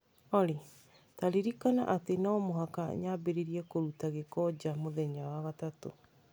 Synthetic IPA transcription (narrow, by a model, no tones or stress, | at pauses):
ɔɾe | taɾiɾikana̰ʔatenɔmoɦaka̰ɲabeɾeɾiɛkoɾutaɣekɔd͡ʑamoðɛɲawaɣatato̰